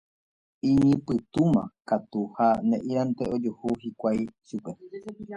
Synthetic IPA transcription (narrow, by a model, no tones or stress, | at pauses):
iɲɨ̃pɨt̪umã̰kat̪uhanẽʔiant̪eʔod͡ʒuhuhikʷajʃupe